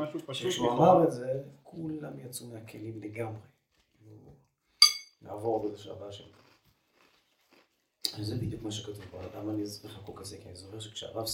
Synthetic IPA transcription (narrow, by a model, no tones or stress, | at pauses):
aʃupʃkʃeuamaʁetze̞kʰulamjat͡sumeakʰelimleɡamʁe | iu | na̰ːvo̞ʁbezeʃea̰baʃḛl | alzebid̪jukmaʃ̬ekatuvbalamanizeχakukazekianizoχeʁʃekʃea̰vav